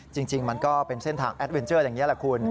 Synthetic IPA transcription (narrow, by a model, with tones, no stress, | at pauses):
t͡ɕi˧ŋt͡ɕi˧ŋma˧nkɔː˥˩pe˧nse˥˩nt̪ʰaː˧ŋʔɛ˦˥t̪̚we˧nt͡ɕɤː˥˩jaː˨˩ŋːi˦˥lɛ˨˩kʰu˧n